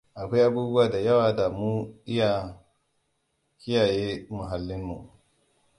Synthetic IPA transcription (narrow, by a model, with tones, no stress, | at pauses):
ʔa˨kʷa˦jʔa˦buː˦bu˦waː˨da˨jɐ˦waː˨da˨mu˦ʔɪ˦ja˨ | kɪ˦jaː˨jeː˦mʊ˨ɦa˨lːɪ˦mːu˨